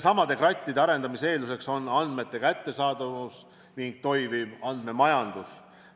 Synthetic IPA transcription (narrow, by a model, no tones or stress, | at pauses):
sɑmɑd̪e̞krɑt̪ʲːˑid̪eɑɾe̞nd̪̥ɑmise̞ːluse̞kso̞nːɑnd̪me̞t̪ːe̞kæt̪ːe̞sɑːd̪̥ɑvus | niŋɡ̥̚t̪o̞jvi̥ɑnd̪̥me̞mɑjɑnd̪̥us